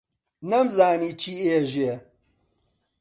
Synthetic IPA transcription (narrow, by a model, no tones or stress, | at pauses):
nɐmzaːniːt͡ʃʰiːeːʒe